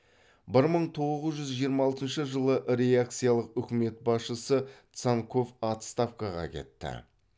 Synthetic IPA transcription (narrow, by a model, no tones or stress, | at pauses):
bɪɾməɴt̪ʰo̞ʁʁəzʒʏzʒijəɾmɑɑlˠt̪ənʃəʒəlˠəʔɾe̞jak̚t̪sɨjalˠəqʏkʲɪme̞t̪̚bɑsʃəsət̪saŋkʰo̞fɑt̪st̪ɑfkaʁɑ̰kʲʰe̞̰t̪ːɪ̰